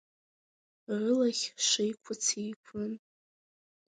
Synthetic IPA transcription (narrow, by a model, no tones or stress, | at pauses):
rɨlaχʲʂɪjkʷʰʊt͡sʰijkʷʰʊn